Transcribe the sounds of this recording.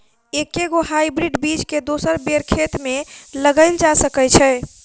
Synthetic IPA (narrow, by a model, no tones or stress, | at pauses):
ekːeɡoɦajbɾiɖbid͡ʒked̪osəɾbeɾkʰet̪meləɡəɪld͡ʒasəkət͡ʃʰɛ